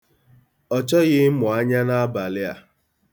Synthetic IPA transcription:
ɔ˨t͡ʃɔ˦ɣɪ˦mʊ˨a˦ɲa˦na˦a˦ba˨lɪ˦a̰˦

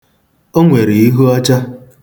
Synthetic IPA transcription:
o˦ŋʷe˨ɾi˨i˦ɦu˦ɔ˦t͡ʃa˦

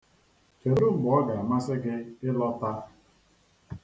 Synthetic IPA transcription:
t͡ʃe˨ɾu˦bʊ˨ɔ˦ɡa˨ma˦sɪ˦ɡɪ˦ɪ˦lɔ˦ta˦˨

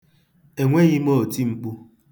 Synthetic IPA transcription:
e˨ŋʷe˦ɣi˦mo˦o˨ti˦ŋ͡m̩˦k͡pu˦

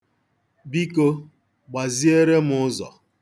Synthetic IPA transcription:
bi˦ko˦ | ɡ͡ba˨zi˦e˦ɾe˦m̩˦ʊ˦zɔ̰˨

